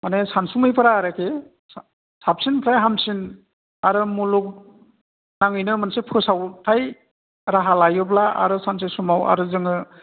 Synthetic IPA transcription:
manesansumɯjpʰɯɾaːɾakʰe | sap̚sinpʰɾajɦamsin | aɾɯmuluk̚ | naŋɯjnɯmɯnsepʰɯsawtʰaj | ɾaɦalajɯblaa̰ɾɯsans̬esumawa̰ɾɯzɯŋɯ

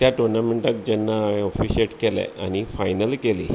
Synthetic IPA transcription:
t̪jaʈoɾnameɳʈak̚d͡ʑɛnːãɔfiɕeʈkelɛ̰a̰nifajnəlkelḭ

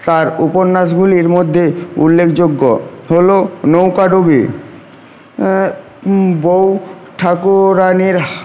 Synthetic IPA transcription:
t̪aɾuponːaʃ̬ɡʱuliɾmod̪ʱːeṵlːekʰd͡ʑoɡːoɦolonowkaɖobi | bowʈʰakuɾaniɾ

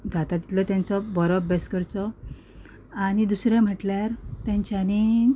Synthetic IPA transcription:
d͡zat̪at̪i̥t̪lət̪jant͡sɔbɔɾɔbeskəɾt͡sɔ | aɽ̃id̪usɾjam̤əʈljaɾt̪jãɲt͡ɕjani

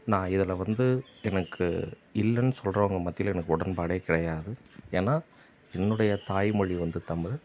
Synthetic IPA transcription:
nãːɪðɐlɐʋɐnd̪ɯɛnɐkʰːɯ̰ | ɪlːɐnːɯsɔlrɐʋɐŋɡɐmɐt̪ːɪlɛnɐkːɯɔɽɐnbaːɽeːkɪɽɐjaːðɯeːnːaː | ɛnːɯɽɐjɐt̪aːjmɔɻiʋɐnd̪ɯt̪ɐmɾɯ

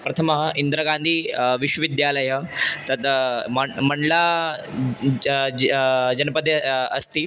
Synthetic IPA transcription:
pɾɐt̪ʰəməɦəʔind̪ɾəɡãnd̪ʱiːʋiɕwəʋid̪jaːləjət̪ɐt̪məmɐɳɖla | d͡ʑɐnpəd̪eɐst̪iː

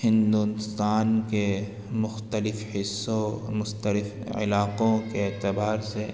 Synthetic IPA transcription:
hɪ̃nd̪ust̪aːnke | mʊxt̪əlɪfhɪsomʊxt̪əlɪf | ɪ̰laːqõkeːt̪ɪbaːɾse

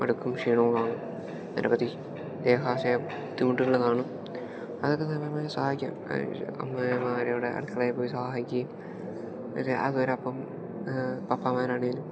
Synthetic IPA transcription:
ɐ̰ɽukːumʂiːɳoːkaːɳɨ | ɐ̰ndɐ̰pɐt̪ːi | d̪eːɦaːsɐjɐ | t̪imuʈːiɣɐɭɨkaːɳɨ | ɐðokːesɐmɐɐmaːjsaːikʲːa̰ːm̰ɐ̰mːɐmaːɾɐjuɽeɐ̰ɽukːɐɭaːjpːoːjisaːɐikʲːɐju | ɐseʔɐðuʋɐɾɐpːɐm | pɐpːamaːɾaːɳeŋɡilum

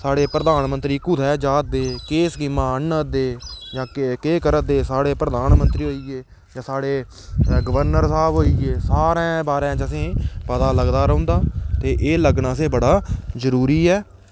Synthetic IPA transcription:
saːɽeːpɾəd̪aːnmənt̪ɾiːkʊd̪ɛːd͡ʒaːt̪̚d̪eːkeːsɡɪmãːənəd̪eːd͡ʒãːkeːkəɾəd̪eːsaːɽeːpɾəd̪aːnmənt̪ɾiːɦoːiːɡeː | d͡ʒãːsaːɽeː | ɡəʋəɾnəɾsaːbɦoːiːeːsaːɾẽːbaːɾãːt͡ʃəsĩːpəd̪aːləɡd̪aːɾəõːnd̪aːt̪eːʔeːləɡnaːəs̬ẽːbəɽaːzəɾuːɾiːɛː

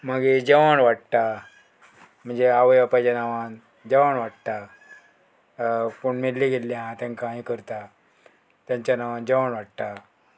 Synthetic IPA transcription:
maɡed͡ʑəʋaɳʋaʈ̚t̪a | m̤əɳd͡zeaʋəjapat͡ɕanaʋan | d͡ʑəʋaɳʋaʈt̪a | koɳmelliɡʱelːjãt̪ãŋkãɦĩkəɾt̪a | t̪jãɲt͡ɕjanaʋãnd͡ʑəʋaɳʋaɽt̪a

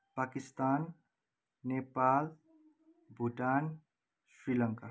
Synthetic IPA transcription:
pakist̪anː | epal | bʱuʈan | sɾilʌŋka

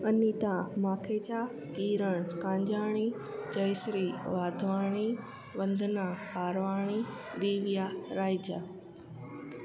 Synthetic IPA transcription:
ɐniːt̪ãmaːkʰeːt͡ɕaː | kiːɾəɽ̃kãːɲd͡ʑaːɽ̃i | d͡ʑɐjsɾiʋaːd̪ʱʋaːɽ̃i | ʋɐ̃nd̪ʱnapaːɾʋaːɽ̃id̪iːʋijaɾaːjd͡ʑaː

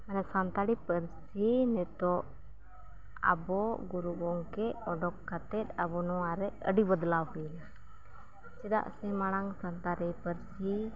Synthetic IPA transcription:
manɛsant̪aɾipəɾsinɛt̪ɔʔ | a̰bɔɡuɾuɡɔŋkɛɔɖɔkːat̪ɛt̪̚abɔnɔwaɾɛəɖibəd̪lawkɛjlɛ | t͡ʃid̪a̰ʔsɛmaɽ̃aŋsant̪aɾipəɾsi

